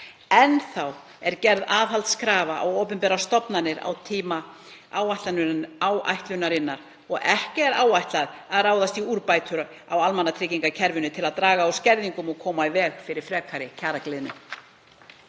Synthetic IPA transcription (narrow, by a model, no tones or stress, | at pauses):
ɛnθaw | ɛɾcɛɾðaːðɦalt̪skɾaːvaʔa̰woːwpʏnpɛːɾast̪ɔpnanːɪɾa̰wt̪ʰiːma | awajht̪lanawa̰jht̪lʏnaɾɪnːaɾ̥ | ɔɣɛhcɪɛɾaːwajht̪laðaðraːwðast̪iuɾpajt̪ʰʏɾa | awalmanːat̪ʰɾɪːciŋkacʰɛɾvʏnʏt̪ʰɪlaðt̪ɾaːɣaːwscɛɾðiŋkʏmɔɣkʰɔːmaɪvɛːɣfɪɾɪɾ̥fɾɛːkʰaɾɪcʰaːɾaklɪðnʏ̰m